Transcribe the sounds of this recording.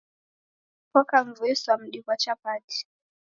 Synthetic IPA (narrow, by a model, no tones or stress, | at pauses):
pɔkaɱ̩vuɛswam̩ɗikwat͡ʃapati̥